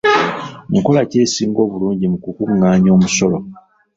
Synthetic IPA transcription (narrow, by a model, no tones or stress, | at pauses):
ŋko̞lace̞ːsiːŋɡo̞ːβuluːɲɟimukukuŋaːɲo̞ːmuso̞lo